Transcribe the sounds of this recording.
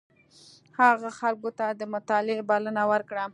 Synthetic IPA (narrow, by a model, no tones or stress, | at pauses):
haɣaxalkot̪ad̪əmʊt̪ɑlɪbalənawəɾkɽa